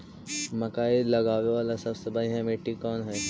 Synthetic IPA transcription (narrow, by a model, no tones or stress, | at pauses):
mɐkaːilɐɡaːʋeʋaːlasɐbsebaiɦɛ̃meːʈːikɔːnɦɛː